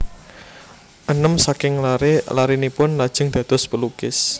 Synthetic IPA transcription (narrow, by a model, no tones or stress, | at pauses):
ʔənəmsakɪŋlaɾelaɾinipʊnlad̥ʒ̥ə̤ŋd̪̥ä̤d̪̥ɔ̤spəlukɪs